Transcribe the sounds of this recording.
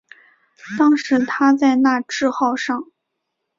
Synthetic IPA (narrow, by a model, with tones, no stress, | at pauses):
t̪ɑ˥ŋʂɻ̩˧˥t̪ʰa˥t͡sa˥˧ɪna˥˧ʈ͡ʂɻ̩˥˧xɑ˥˧ʊʂɑ˥˩ŋ